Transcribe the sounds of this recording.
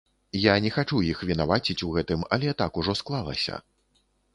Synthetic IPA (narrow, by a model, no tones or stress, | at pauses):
janʲɛxat͡ʂujixvʲinavat͡sʲit͡sʲuɣɛt̪ɨmɐ̰lʲɛt̪akuʐɔsklˠalˠɐ̰sʲɐ̰